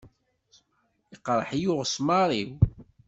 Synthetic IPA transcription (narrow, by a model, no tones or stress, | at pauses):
iqɾˤəħjʊʁsmɑɾˤiw